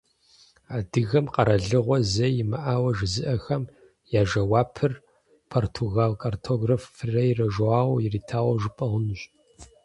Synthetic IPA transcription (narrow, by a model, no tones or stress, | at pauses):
aːdɨɣɐmqɐɾɐɮɨʁʷɔzɐjɪmɐʔaːwɐʒɨzɨʔɐxɐm | jaːʒɐwaːpʰɨr | pʰortʰoɣaːlkʼartʰoɡrɐfɨrɐjirɐʒaːwjɪriːtʰaːwɐʒɨpʼɐʁʷʊnɨɕ